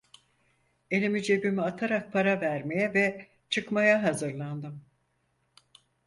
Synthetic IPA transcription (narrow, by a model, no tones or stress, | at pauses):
e̞lʲimid͡ʒe̞bimiat̪ʰaɾak̚pʰaɾavæɾme̞jɛvɛ | t͡ʃʰɯkmajaɦazɯɾlˠand̪ɯm